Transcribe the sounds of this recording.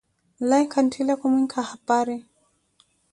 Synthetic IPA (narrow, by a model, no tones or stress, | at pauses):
lajkʰantʰilakumwiŋkʰahapaɾi